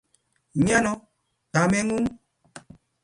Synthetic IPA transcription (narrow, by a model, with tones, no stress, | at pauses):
ɲã˦nɔ̃˦ | ta˨mɛ̃˦ŋũ˦